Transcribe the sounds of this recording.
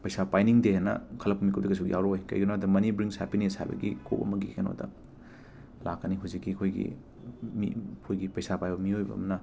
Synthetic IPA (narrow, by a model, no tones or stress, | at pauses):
pɐjsapajniŋdehenɐ̰kʰɐlɐpːumikudɐkɐjs̬ukjawɾoojkɐ̰jɡunodɐmɐnibɾiŋshɛpinesha̰jbɐ̰ɡḭkʰo̰pɐ̰mɐɡikeno̰dɐ̰ | lakːɐniɦuzikːiɐkʰojɡḭ | mḭkʰojɡipɐjsapajbɐmiojbɐ̰ːmɐnɐ